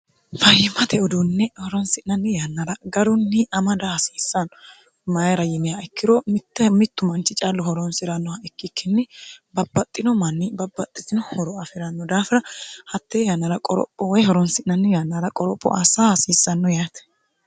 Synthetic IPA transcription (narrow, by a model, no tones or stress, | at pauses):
fɐjɪmːɐt̪ɛɔd̪unːɛhɔɾɔnsɪʔnɐnːɛjanːɐɾɐɡɐɾʊnːɪɐmɐd̪ɐhɐsiːsːɐnɔ | mɐjɐɾɐjɪnɪjaɛkːɪɾɔmɪt̪ːɛmɪt̪ːʊmɐnt͡ʃːɪt͡ʃʼalːɔhɔɾɔnsɪɾɐnːɔhaɛkːɪkːɪnːɛbɐbːɐt̪ʼːɪnɔmɐnːɪbɐbːɐt̪ʼːɪt̪ɪnɔhɔɾɔɐfɪɾɐnːɔd̪aːfɪɾɐhɐt̪ːeːjanːɐɾɐkʼɔɾɔ̰pʼːɔwɔjhɔɾɔnsɪʔnɐnːɪjanːɐɾɐkʼɔɾɔpʼːɔ̰ʔasaːhɐsiːsːɐnːɔjaːt̪ɛ̥